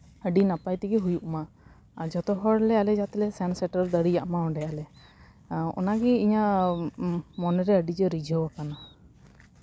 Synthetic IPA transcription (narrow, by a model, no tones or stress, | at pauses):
əɖinapajt̪iɡiɦujuʔma | d͡ʒɔt̪ɔɦɔɽlɛalɛd͡ʒat̪ɛlɛsɛnsɛʈəɾɔɾd̪əɽid͡ʒaʔmaɔɖɛalɛ | ɔ̰naɡiiɲa | mɔnɛɾɛəɖid͡ʒɔɾid͡ʒɔbakana